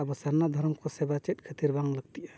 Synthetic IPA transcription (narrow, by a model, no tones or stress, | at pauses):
abəsaɾnad̪ʱəɾmkosebat͡ʃet̪̚kʰət̪iɾbaŋləɡ̚t̪iʔa